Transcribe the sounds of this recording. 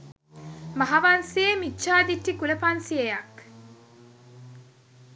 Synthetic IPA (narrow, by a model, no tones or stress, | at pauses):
mɐɦaʋansiemit͡ʃːʃaːd̪iʈːikulɐpɐnsiejɐk